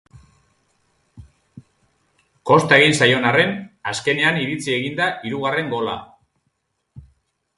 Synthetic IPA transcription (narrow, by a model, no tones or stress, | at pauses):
ko̞st̪ae̞ɣ̞insajo̞nare̞naske̞ne̞aniɾit͡sie̞ɣind̪aʔiɾuɣare̞ŋɡo̞la̰